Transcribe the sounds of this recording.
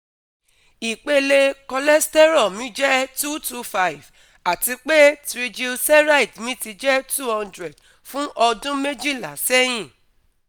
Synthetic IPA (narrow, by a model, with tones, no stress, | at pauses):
i˨k͡pe˦le˧kɔ˧lɛ˦stɛ˦ɾɔ˦˨mĩ˨˦d͡ʒɛ˦tu˦˨tu˦fa˦i˨v | a˨ti˧k͡pe˦tɾi˧d͡ʒi˧lsɛ˦ɾa˦i˨tmĩ˦ti˧d͡ʒɛ˦tu˦hɔ̃˧ndɾɛ˨d | fũ˦ʔɔ˧dũ˦me˦d͡ʒi˦˨la˨˦sɛ˦j̃ĩ˦˨